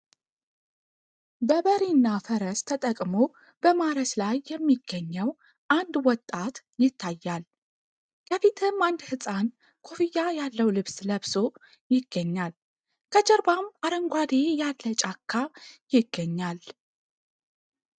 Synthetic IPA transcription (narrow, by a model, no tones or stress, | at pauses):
bəβəɾinːafəɾəst̪ʰət̪ʼəkʼmo̞ | b̥əmaɾəslajːɛmːiɡ̥ːəɲːəw | ʔand̪wɔt̪ʼːat̪ | jɪt̪ʰːajːal | jəfit̪ʰɨmand̪hɨsʼan | kʰo̞fijːajalːəwlɨβsləβso | jɪɡ̥ːəɲːal | kʰəd͡ʒəɾbamaɾəŋɡʷad̪ejallːət͡ʃʼakʰːajɪɡːəɲːal